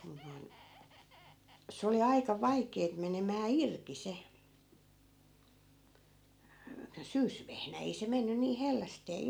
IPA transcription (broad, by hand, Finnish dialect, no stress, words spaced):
mun noi̯n se oli ɑikɑ ʋɑikˑeːt menemæː irki se syːsʋehnæ ei se menːy niːh helːæsteː